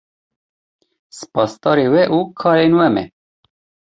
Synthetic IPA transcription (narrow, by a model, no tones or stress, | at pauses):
sɨ̥pɑːst̪ɑːɾewɛʔuːkʰɑːɾeːnwɛmɛ̰